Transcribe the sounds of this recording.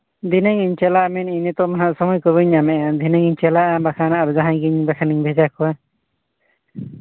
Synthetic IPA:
d̪inɛŋiɲt͡ʃɛlaʔmɛninɛt̪ɔmaɦaʔsɔmɔjkɔβɯɲamɛʔad̪ʱinɛŋiɲt͡ʃɛlaʔabakʰanaʔaɾud͡ʒaɦãjɡiɲbakʰaniɲbʱɛd͡ʒakɔwa

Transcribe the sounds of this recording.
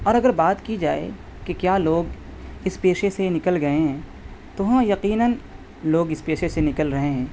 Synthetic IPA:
ɔːɾɐɡəɾbaːt̪kid͡ʒaːḛ | kekjaːloːɡ | ɪspeːʃesenɪkəlɡɐeɦɛ̃ː | t̪oɦãjɐqiːnən | loːɡɪspeːʃesenɪkəlɾɐɦeɦɛ̃ː

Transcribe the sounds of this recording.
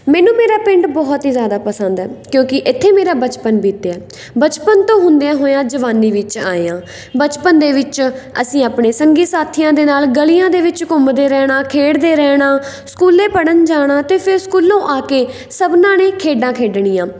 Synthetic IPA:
mɛ̃ːnũːmeːɾaːpɪɳʈbɔːt̪ɦiːzjaːd̪aːpəsənd̪ɛːkjõːkɪʔɪt̪ʰːeːmeːɾaːbət͡ʃpənbiːt̪eːɛː | bət͡ʃpənt̪õːɦʊ̃nd̪jãːɦoːjãːd͡ʒəʋaːniːʋɪt͡ʃa̰ːeãː | bət͡ʃpənd̪eːʋɪt͡ʃə̰sĩːaːpɳeːsəŋɡiːsaːt̪ʰijãːd̪eːnaːlɡəlijãːd̪eːʋɪt͡ʃkʊmd̪eːɾɛːɽãːkʰeːɽd̪eːɾɛːɽãː | skuːleːpəɽənd͡ʒaːɽ̃ãːt̪eːpʰɪɾskuːlõːʔaːkeː | səbnãːneːkʰeːɖãːkʰeːɖɳ̃iːãː

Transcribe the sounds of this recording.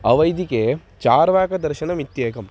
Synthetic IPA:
ɐʋɐjd̪ike | t͡ʃaːɾʋaːkɐd̪ɐɾʃɐnɐmit̪jeːkɐm

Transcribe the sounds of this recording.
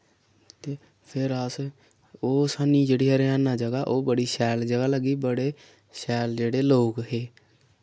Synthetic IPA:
t̪eː | pʰɪɾəs | oːsaːniːd͡ʒeːɽiːɦəɾeanãːd͡ʒəɡaːʔoːbəɽiːʃɛːld͡ʒəɡaːləɡiːbəɽeː | ʃɛːld͡ʒeːɽeːloːkɦeː

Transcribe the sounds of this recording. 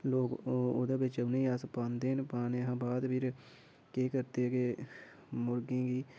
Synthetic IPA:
loːɡo̰d̪aːbɪt͡ʃəneiaːspãːnd̪eːnpaːneɦãːbaːd̪pʰɪɾ | keːkəɾt̪eke | mʊɾɡẽːɡiː

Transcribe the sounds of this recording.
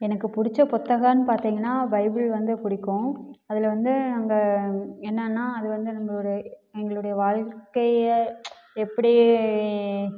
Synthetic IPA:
ɛnɐkːɯpʊɽɪt͡ʃːɐpɔt̪ːɐɣaːnɯpaːɾt̪iːŋɡɐnːaːbɐɪbɪɭʋɐnd̪ɯpʊɽɪkːʊ̃ːɐðɪlʋɐnd̪ɯnaːŋɡɐɛnːɐnːaːɐðɯʋɐnd̪ɯnɐmːɐɔɾɯɛŋɡɐɭɯɽɐjɐʋaːɻkɐɪ | ɛpːɐɽi

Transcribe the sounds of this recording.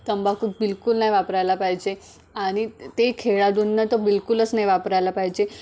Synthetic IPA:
t̪əmbakʰub̚bɪlkulnaiʋapɾajlapajd͡ʒe | anit̪ekʰeɭad̪unːət̪obɪlkuləsnajʋapɾajlapajd͡ʒe

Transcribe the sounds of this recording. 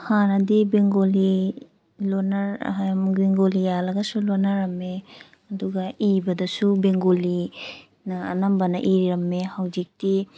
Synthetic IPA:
hanɐdibeŋɡoli | lonɐɾamɡeŋɡolijalɐɡɐsulonaɾɐmːe | ɐduɡɐibɐdɐsubeŋɡoli | nɐ̰ːnɐmbɐnɐʔiɾiɾɐmːehɐwd͡ʒik̚ti

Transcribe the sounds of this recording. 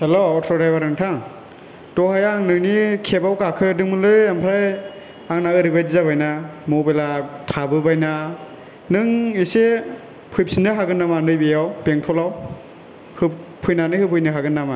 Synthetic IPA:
heloɔtʰɾɔɾajbaɾɯŋtʰaŋ | tɔhajaŋnɯŋnikʰebawkakʰɯdɯŋmɯlɯampʰɾaj | aŋnaɯɾibajdizabajnamɔbelatʰabɯbajna | nɯŋise | pʰɯjp̚sinɯɦaɡɯnːamanɯjbejawpeŋtʰɔlaw | hɯpʰujnanɯhɯpʰɯjnɯɦaɡɯnːama

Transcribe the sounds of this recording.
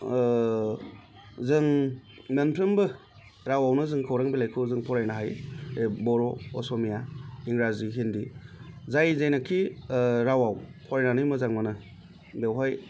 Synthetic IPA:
zɯŋ | menpʰɾɯmbɯ | ɾawawnɯzɯŋkʰɯwɾaŋbilajkʰɯwzɯŋpʰɔɾajnaɦajebɔɾɔɔsɔmijaiŋɡɾaziɦindizajzajnakʰːiɾawawpʰɔɾajnanɯjmɯzaŋmanɯ | bewɦaj

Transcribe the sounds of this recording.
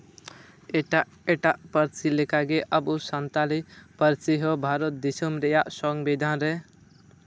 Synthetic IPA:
eʈa | eʈaʔpəɾt͡silekaɡeʔəbusənt̪alipəɾt͡ʃiɦobʱaɾot̪̚d̪isəmɾejaʔsɔŋɡbed̪ʱanɾe

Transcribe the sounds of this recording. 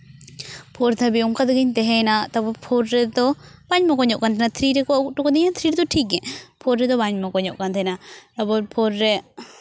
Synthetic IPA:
pʰɔɾt̪ʰabiuŋkad̪ɛɡɛɲt̪ɛɦɛ̃nat̪abɔpʰɔɾːɛd̪ɔbaɲmɔkɔɲɔʔkant̪ʰɛnat̪ʰɾiɾɛkɔaukʈɔkɔd̪ɛɲat̪ʰɾiɾɛd̪ɔʈʰik̚ɡɛpʰɔɾːɛd̪ɔbaɲmɔkɔɲɔʔkant̪ʰɛnat̪abɔɾpʰɔɾːɛ

